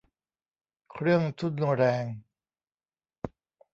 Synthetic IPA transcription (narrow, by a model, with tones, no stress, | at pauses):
kʰɾɯ˥˩əŋt̪ʰu˦˥˩t̪̚nu˧ɾɛː˧ŋ